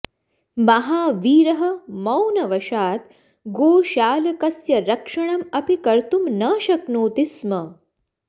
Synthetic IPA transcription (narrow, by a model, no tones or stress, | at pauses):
mɐɦaːʋiːɾɐɦɐmɐwnɐʋɐʃaːt̪ | ɡoːʃaːlɐkɐsjɐɾɐkʂɐɳ̃ɐmɐpikɐɾt̪umnɐːʃɐknoːt̪ismɐ